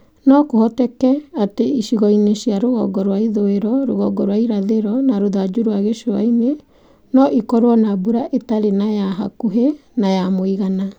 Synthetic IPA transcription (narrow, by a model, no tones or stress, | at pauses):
nɔkohɔtɛkɛateiʃiɣɔineʃiaɾoɣɔ̰ɡɔɾwaiðoeɾɔɾoɣɔɡɔɾwaiɾaðeɾɔnaɾoðad͡ʒuɾwaɣeʃoa̰ine | nɔʔikɔɾwɔnabuɾaʔetaɾenajaɦa̰kuɦenajamoiɣana